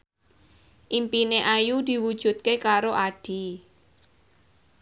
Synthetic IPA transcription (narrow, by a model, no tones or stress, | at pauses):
ʔimpineʔajud̪̥i̤wud̥ʒ̥ṳt̪̚kekaɾoʔaɖ̥i̤